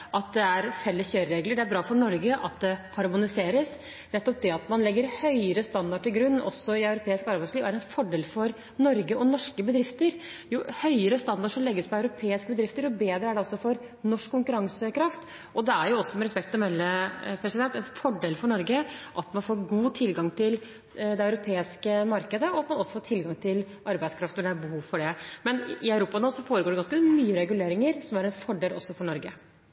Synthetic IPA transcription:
ʔɑt̪̚d̪ɛæɾfɛlːəsçøːɾɾeːɡləɖɛæɾbɾɑːfɔɳɔɾɡəʔɑt̪̚d̪ɛhɑɾmʊnɪseːɾəs | nɛt̪ːɔp̚d̪ɛɑt̪mɑnlɛɡːəɾhœʏəɾəst̪ɑnd̪ɑʈɪlɡɾʉnːʔɔ̰sːɔɪɑʉɾʊpʰeːɪskɑɾbæɪsliːʋæɾɛnfɔɖeːlfɔɾ | nɔɾɡəɔnɔʂkəbəd̪ɾɪft̪əɾjuːhœʏəɾəst̪ɑnd̪ɑʂɔmlɛɡːəspʰɔɑʉɾʊpʰeːɪskəbəd̪ɾɪft̪əɾɔbeːd̪ɾəæɖɛɔsːɔfɔɾ | nɔʂkːʊŋkʉɾɑŋsəkʰɾɑft̪ | ʔɔd̪ɛæɾjʊɔsːɔmɛɾɛspɛkt̪ɔmɛlːəpʰɾɛsɪd̪ɛnt̪ːɛnfɔɖeːlfɔɳɔɾɡəʔɑt̪mɑnfoːɾɡuːt̪ʰɪlɡɑŋt̪ʰɪl | d̪ɛɑʉɾʊpʰeːɪskəmɑɾkəd̪əɔɑt̪mɑnɔsːɔfoːʈ̪ʰɪlɡɑŋt̪ʰɪl | ʔɑɾbæɪskʰɾɑft̪ɔɖɛæbəhuːʋfɔɖɛmɛnɪœʉɾuːpɑnoːsɔfoːɾəɡoːɖɛɡɑnskəmyːəɾɛɡʉleːɾɪŋəɾsɔmæɾɛnfɔɖeːlɔ̰sːɔfɔɳɔɾɡə

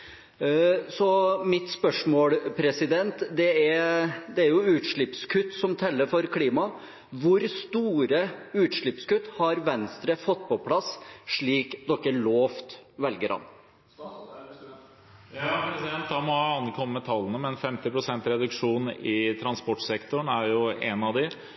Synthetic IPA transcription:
sɔmɪt̪spœʂmoːlpʰɾɛsɪd̪ɛnt̪d̪ɛæɾd̪ɛæɾjʊʉːt̪ʂɭɪpskʰʉt̪ːsɔmt̪ʰɛlːəɾfɔɾkʰliːmɑ | ʋʊɾst̪uːɾəʉːt̪ʂɭɪpskʉt̪ːhɑɾʋɛnst̪ɾəfɔt̪ːpɔpʰlɑsʂɭiːkd̪ɔkːəɭoːft̪ʋɛlɡəɾhɑ̰n | ɾɛsd̪ɛnt̪d̪ɑmɔɑnkʰɔmːəːət̪ʰɑlːənəmɛnfɛmt̪ɪpɾʊsɛnt̪ɾɛd̪ʉkʂuːnɪt̪ʰɾɑnspɔʈsɛkt̪ʊɳæɾjʊɛnɑʋd̪ɪ

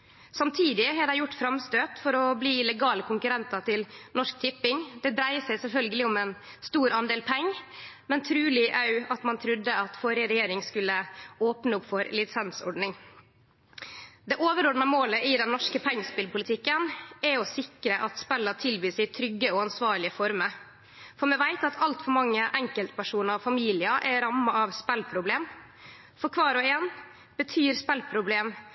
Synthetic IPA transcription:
sɑmt̪ʰiːd̪ɪɦɑɖæɪjʊʈːfɾɑmst̪øːt̪fɔɾɔbliːlɛɡɑːləkʰʊŋkʉɾɛnt̪ɑt̪ʰɪlnɔʂk̚t̪ʰɪpːɪŋd̪ɛd̪ɾæɪəsæɪsɛlfœlɡəlɪʊmɛn | st̪uːɾɑnd̪eːlpʰɛŋː | mɛnt̪ʰɾʉːlɪʔɑʉɑt̪mɑnt̪ʰɾʉd̪ːəɑt̪foːɾɪəɾɛjeːɾɪŋskʉlːəoːpnəʊpfɔɾlɪt̪sɛnsɔ̰ɖɳɪŋ | d̪ɛʔoːʋəɾɔɖnɑmoːləɪd̪ɛnːɔʂkəpʰɛŋːəspɪlpʰʊlɪt̪ʰɪkːənɛɔsɪkɾəʔɑt̪spɛlːəʈ̪ʰɪlbyːsɪt̪ʰɾʏɡːəɔɑnsʋɑːɾɭɪəfɔɾməɾ | fɔɾmɛʋæɪt̪ɑt̪ʰɑlt̪fɔɾmɑŋːəʔɛŋkəlt̪pʰæʂuːnəɾɔfɑmiːlɪəʔɛɾɑmːɑɑʋspɛlpʰɾʊbleːm | fɔɾkʰʋɑːɾɔɛn | b̥ət̪ʰyːɾspɛlpʰɾʊbleːm

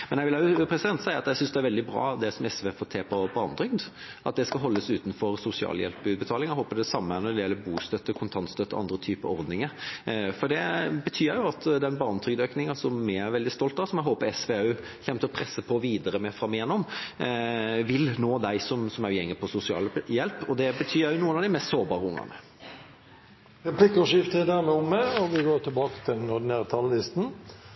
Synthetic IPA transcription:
mɛnjɛɡʋɪlɑjʊpʰɾɛsɪd̪ɛnt̪sæɪəɾɑt̪jæsʏnsd̪ɛæɾʋɛld̪ɪbɾɑ̰ːd̪ɛsɔmɛsʋeːfoːt̪ʰeːpʰɔbɑːnt̪ʰɾʏɡd̪ | ʔɑt̪̚d̪ɛskɑɦɔlːəsʉːt̪n̩fɔɾsʊsɪɑ̰ːljɛ̰lpbʉːd̪̚bət̪ʰɑːlɪŋɛɦoːpəd̪ɛsɑmːəæɾnɔd̪ɛjɛlːəbuːst̪œt̪ːəkʰʊnt̪ʰɑnt̪st̪œt̪ːɔ̰ʔɑ̰nd̪ɾət̪ʰyːpəɾɔɾd̪nɪŋəɾfɔɖ̪ɛbət̪ʰyːjʊɑt̪d̪ɛnbɑːnt̪ʰʏɡd̪øːknɪŋɑsɔmːææɾʋɛld̪ɪst̪ɔlt̪̚d̪ɑsɔmjæɪɦoːpəɾɛsʋeːʉː | çɛmt̪əɔpʰɾɛsːəpʰɔʋiːd̪əɾəmɛfɾɑmːɪjɛnːɔm | ʋɪlnoːd̪æɪsɔmsɔmæjʊjɛŋːəpʰɔsʊsɪɑ̰ːljɛlpɔd̪ɛbət̪ʰyːjʊnuːənɑʋd̪ɪmɛst̪soːʁbɑːɾəʊŋːɑ̰nə̰ | ɾɛpʰlɪkːəʂɪft̪ʰəd̪æmɛɔmːɛɔʋɪɡoːʈ̪ʰɪlbɑːkə̥t̪ʰɪlnɔɖ̪ɪnæːɾət̪ʰɑllɪst̪n̩

